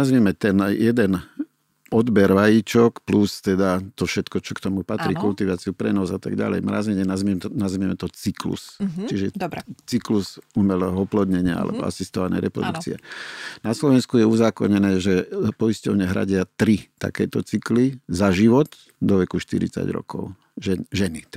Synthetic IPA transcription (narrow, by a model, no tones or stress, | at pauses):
nazmɛmɛt̪ɛnjɛd̪ɛn | ɔd̪bɛɾʋajit͡ʃɔkplust̪ɛd̪at̪ɔfʃɛt̪kɔt͡ʃɔkt̪ɔmupat̪ɾiːkult̪iʋaːt͡siupɾɛnɔzat̪a̰ɡɟa̰lɛ̰jmɾa̰ːzɛɲɛnazmɛnazmɛmɛt̪ɔt͡siklṵst͡ʃiʒɛdt͡sikluzumɛlɛːɦɔɔplɔd̪ɲɛɲɪaa̰lʔɛ̰bɔ̰a̰sist̪ɔʋanɛ̰jɾɛpɾɔ̰d̪ukt͡siɛ̰naslɔʋɛnskujɛuzaːkɔɲɛnɛːʒɛpɔiscɔʊɲɛɦɾa̰ɟɪat̪ɾit̪a̰kɛːt̪ɔt͡siklizaʒiʋɔt̪ | d̪ɔʋɛkuʃt̪ḭɾḭt͡sa̰ɟɾɔ̰kɔ̰ʊ | ʒɛʒɛni